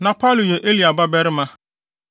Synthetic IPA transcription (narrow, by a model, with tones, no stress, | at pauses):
nã˨pʰa˦˨lu˨jɛ˨ʔe˦li˨a˨ba˦bɛ˦ɾɪ˦mã˦